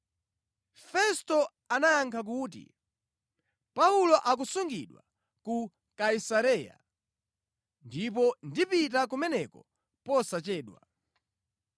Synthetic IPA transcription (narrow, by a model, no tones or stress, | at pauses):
fɛstɔ | anajaŋkʰak̬uːt̬ḭ | paulɔʔak̬usuŋɡḭɗwa̰ | ku | kaisaɾɛja̰ | ndip̬ɔndipit̬ak̬umɛnɛkɔ | pɔsat͡ʃɛːɗwa̰